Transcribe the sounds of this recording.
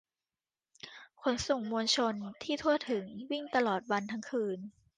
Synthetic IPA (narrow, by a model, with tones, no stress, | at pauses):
kʰo˧˩˦nso˨˩ŋmoː˧nt͡ɕʰo˧nt̪ʰiː˥˩t̪ʰu˥˩ət̪ʰːɯ˩˦ŋwi˥˩ŋt̪a˧lɔː˨˩t̪̚wa˧nt̪ʰa˧ŋkʰɯː˧n